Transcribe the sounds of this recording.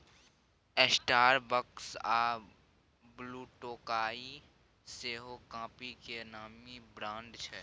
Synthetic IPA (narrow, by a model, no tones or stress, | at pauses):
esʈaːɾbəksaː | bluːʈoːkaːi | seːɦokãːpikenaːmibɾãːɳɖ̪t͡ʃʰɛ